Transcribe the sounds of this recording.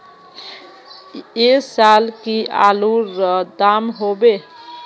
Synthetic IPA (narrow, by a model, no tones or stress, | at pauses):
esalkiʔa̰luɾəd̪amɦobe